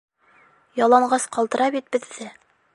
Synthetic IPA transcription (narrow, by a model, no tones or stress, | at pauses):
jɑlˠɑɴɢɑsqɑlˠt̪ɤ̆ɾɑbit̪̚bɘ̆ðːɘ